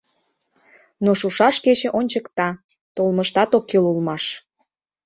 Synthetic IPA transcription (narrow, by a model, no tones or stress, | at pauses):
noʃuʃɑʃket͡ɕĕʔonʲt͡ɕəkt̪ɑ | t̪olməʃt̪ɑt̪okːelulmɑʃ